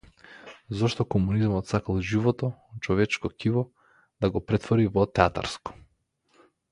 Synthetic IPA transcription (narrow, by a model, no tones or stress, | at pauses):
zɔʃt̪ɔkɔmunizmɔt̪sakalˠʒivɔt̪ɔt͡ʃɔvɛt͡ʃkɔkivɔ | d̪aɡɔpɾɛt̪vɔɾivɔt̪ɛat̪a̰ɾskɔ̥